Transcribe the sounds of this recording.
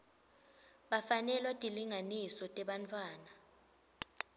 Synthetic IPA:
ɓafanɛlɔtʼiliŋanisɔtʼɛɓant͡fʰʼwaːna

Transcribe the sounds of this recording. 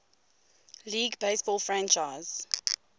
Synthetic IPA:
liːɡbeɪsb̥ɔlˠfɹãnt͡ʃaɪz̥

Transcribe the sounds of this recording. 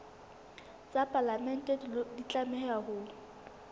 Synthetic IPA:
t͡sʼapʼalamɛn̩tʼedldit͡ɬʼamɛhɛahʊːlʊ

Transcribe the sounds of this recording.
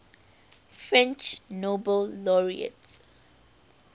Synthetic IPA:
fɹɛ̃nt͡ʃnobəlːɔɹḭə̰ts

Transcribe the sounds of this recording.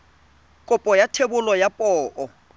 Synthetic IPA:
kʼʊpʼɔjatʰebʊlɔjapʼɔːʔɔ

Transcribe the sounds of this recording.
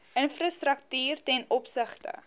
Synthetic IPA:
ʔənfrastrək̚tyːrtɛnɔpsəχtə̰

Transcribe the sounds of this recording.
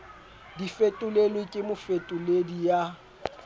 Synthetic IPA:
difetʼʊlelwekʼɪmʊfetʼʊledija

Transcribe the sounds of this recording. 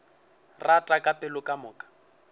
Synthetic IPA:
ratʼakʼapʼɛlʊkʼamʊːkʼḁ

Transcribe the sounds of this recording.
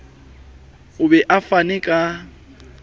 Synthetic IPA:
ʊbɛʔafanɛkʼa

